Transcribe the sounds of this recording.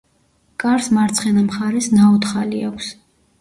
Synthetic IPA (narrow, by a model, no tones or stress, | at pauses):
kʼaɾsmaɾt̪sʰχɛnamχaɾɛsnaɔt̪χaliakʷʰs